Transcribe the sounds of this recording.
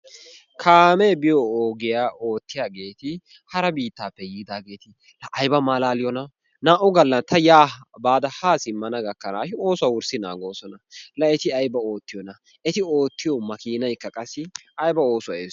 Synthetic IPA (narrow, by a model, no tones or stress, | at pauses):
kʰaːmeːbɪjɔoːɡɪjaːʔoːt̪ːɪjaːɡe̞ːt̪ɪ | hɐɾɐbiːt̪ːaːpːɛjiːd̪aːɡe̞ːt̪ɪ | lɐʔɐjbɐmaːlaːlɪjɔnɐ | naːʔʊɡɐlːɐnt̪ʰːɐjaːbaːd̪ɐhaːsɪmːɐnɐɡɐkːɐnaːʃɪo̞ːsʊwɐwʊɾsɪna̰ːɡo̞ːsɔnɐlɐɛt̪ɪɐjbɐo̞ːt̪ːɪjɔnɐ | ɛt̪ɪo̞ːt̪ːɪjɔmɐkiːnɐjkːɐkʼɐsːɪɐjbɐo̞ːsʊwaḛː